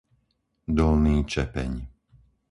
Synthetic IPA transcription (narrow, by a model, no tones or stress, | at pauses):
d̪ɔlniːt͡ʃɛpɛ̰ɲ